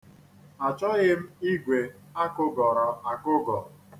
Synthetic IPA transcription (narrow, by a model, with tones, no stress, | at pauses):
a˨t͡ʃɔ˦ɣɪ˦m̩˦i˦ɡʷe˨ | a˦kʊ˦ɡɔ˨ɾɔ˨a˨kʊ˦ɡɔ˨